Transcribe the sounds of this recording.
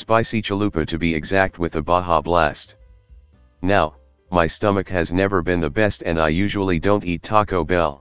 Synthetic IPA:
sb̥aɪsit͡ʃəlʉpɨɾɨbiɨɡzæk̚t̚wɨðɨbɑɦɑblæst̚ | naʊ | maɪstʌmɨkhɨznɛvə˞bɨ̃nðɨbɛstɨ̰̃na̰ɪjʉʒl̩ˠidõʊ̃ntitʰɑkoʊbɛ̰lˠ

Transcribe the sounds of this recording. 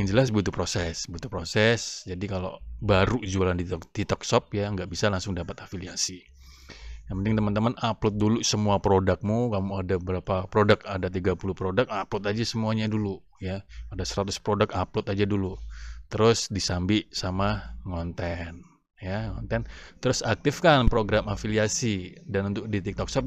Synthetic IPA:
jaŋd͡ʒəlasbut̪upɾosɛsbut̪u̥pɾosɛsd͡ʒadikalo̰baɾud͡ʒualandid̪̥it̪ɔk̚sɔp̚jaəŋɡaʔbisalaŋsʊŋdapat̪afiliasi | jaŋpənt̪ɪŋt̪əmant̪əmanaplʊt̪̚dulusəmuapɾodak̚mukamuadaəbəɾapapɾodakadat̪̬iɡapulʊhpɾodak̚aplʊt̪ad͡ʒasəmuaɲadulu | jaːdasəɾat̪ʊspɾodakaplʊt̪ad͡ʒadulut̪əɾʊsdisambiʔsamaŋɔnt̪ɛn | jaŋɔnt̪ɛnt̪əɾʊsak̚t̪ɪfkanpɾoɡɾamafiliasidanunt̪ʊk̚dit̪ik̚t̪ɔk̚sɔp̚

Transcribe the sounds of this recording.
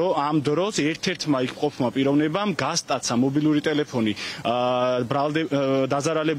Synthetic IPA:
ɔamd̪ɾɔsɛɾt̪ʰɛɾt̪ʰmaikʰmqʼɔpʰmapʼiɾɔvnɛbamɡast̪ʼat̪sʰamɔbilˠuɾit̪ʼɛlɛpʰɔni | bɾalˠd̪ɛd̪azaɾalɛb

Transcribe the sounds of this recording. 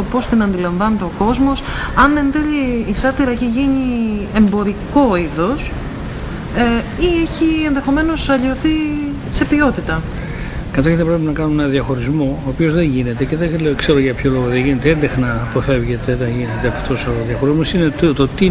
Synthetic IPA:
opo̞st̪inɐnd̪ilɐɱvɐnet̪eoko̞zmo̞s | ɐne̞nd̪eʎiːsɐɾt̪iɾɐeçiʝiɲie̞mbo̞ɾiko̞iðo̞s | eieçienðe̞xo̞me̞no̞sɐʎio̞θi | se̞pio̞t̪it̪ɐ | kɐt̪oçet̪epɾep̬inɐkɐnunenɐðjɐxo̞ɾizmo̞ːpio̞zðeɲʝine̞t̪e̞ce̞ðekse̞ɾoʝɐpçoloɣoðeʝinet̪eend̪exnɐːpofe̞vʝet̪eðeʝine̞t̪eɐft̪o̞soðjɐxo̞ɾizmosinet̪ot̪i

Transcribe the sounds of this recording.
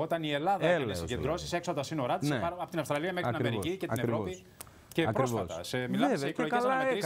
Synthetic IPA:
o̞t̪ɐnie̞lɐðɐnesiɟend̪ɾo̞si̥se̞ksot̪ɐsino̞ɾɐt̪spɐɾɐpot̪inɐfst̪ɾɐliɐmexɾinɐeɾiicet̪ineɾɾopi | ce̞pɾosvɐst̪ɐsemilɐeoeslɐi

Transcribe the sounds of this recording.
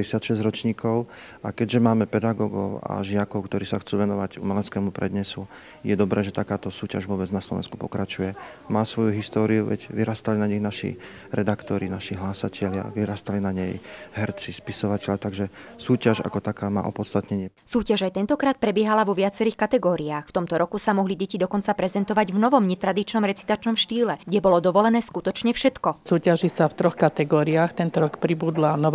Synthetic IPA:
ɛsɪat̪ʃɛzɟɾɔt͡ʃɲiːkʰɔʊʔakɛɟʒɛmaːmɛpɛd̪aɡɔːɡɔʊa̰ʒɪakɔʊkt̪ɔɾiːsaxt͡suːʋɛnɔʋaɟṵmɛlɛt͡skɛːmupɾɛ̰d̪ɲɛsu | jɛd̪ɔbɾɛːʒɛt̪akaːt̪ɔsuːcaʒʋʊɔːbɛd͡znaslɔ̰ʋɛ̰nsku̥pɔkɾat͡ʃujɛmaːsʋɔjuɦist̪ɔːɾiuʋɛ̰ɟʋiɾaːst̪alinaɲiɣnaʃḭ | ɾɛd̪akt̪ɔɾinaʃiɦlaːsacʰɛʎɪa̰ʋiɾaːst̪alinaɲɛjɦɛɾt͡sispisɔʋacɛlʎat̪aɡʒɛsuːcaʒa̰kɔt̪akaːma̰ːʔɔ̰pɔt̪st̪at̪ɲɛɲɪɛsuːcaʒajt̪ɛnt̪ɔkɾaːt̪̚pɾɛbɪɛɦalaʋɔʋɪat͡sɛɾiːxkat̪ɛɡɔːɾiaːxft̪ɔmt̪ɔɾɔkusamɔɦliɟɛcid̪ɔkɔnt͡sapɾɛzɛnt̪ɔʋaɟvnɔʋɔmɲɛt̪ɾad̪it͡ʃnɔmɾɛt͡si̥t̪at͡ʃnɔmʃt̪iːlɛɡɟɛbɔlɔd̪ɔʋɔlɛnɛːskut̪ɔt͡ʃɲɛfʃɛt̪kɔsuːcaʒisaft̪ɾɔxkat̪ɛɡɔːɾiaxt̪ɛnt̪ɔɾɔkpɾibuːd̪lanɔʋ

